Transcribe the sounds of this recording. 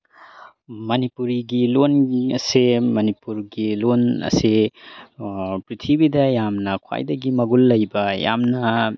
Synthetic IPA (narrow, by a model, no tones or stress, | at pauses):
mɐnipuɾiɡilonɐsemɐnipuɾɡilonɐ̰se | pɾitʰibidɐjamnɐkʰwa̰jdɐɡimɐɡulːɐjbɐja̰mnɐ